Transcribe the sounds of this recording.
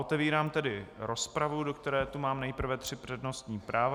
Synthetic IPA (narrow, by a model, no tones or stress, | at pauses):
ot̪ɛviːɾaːmt̪ɛdɪɾo̞spɾavudokt̪ɛɾɛːt̪umaːmnɛjpr̩vɛt̪r̝̥ɪpr̥ɛdno̞st̪ɲiːpɾaːva